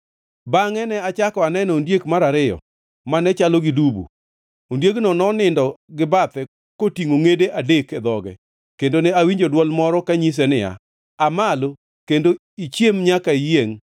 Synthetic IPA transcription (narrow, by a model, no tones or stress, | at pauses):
baŋɛnɛat͡ʃakɔanɛnɔːndjekmaɾaɾɪjɔ̰ | manɛt͡ʃalɔɡidubṵ | ondjeknɔnɔnɪndɔɡɪbat̪ɛ | kotiŋoŋedeʔadekɛd̪ɔɡɛ̰ | kendonɛawiɲd͡ʒodwɔlmɔɾɔkaɲis̬ɛnɪja̰ | amalo | kendo | it͡ʃjemɲakaijeŋ